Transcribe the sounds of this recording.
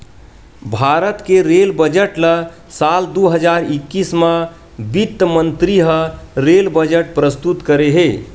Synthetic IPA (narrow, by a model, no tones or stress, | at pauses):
bʱaɾət̪keɾelbəd͡ʒəʈlə | sald̪uɦəd͡ʒaɾikːismə | bit̪ːəmənt̪ɾiɦəɾelbəd͡ʒəʈ̚pɾəst̪ut̪kəɾeɦe